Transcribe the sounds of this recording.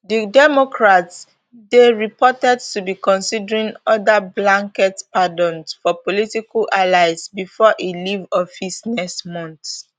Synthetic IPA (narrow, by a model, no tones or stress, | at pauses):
didɛmɔkʰɹats | deɹipɔtɛd̚tubikɔ̃nsidəɹĩnɔdablãŋkɛtpadɔ̃nsfɔpɔlitikalʔalaɪsbifɔʔelivɔfisnɛsmɔ̃nθ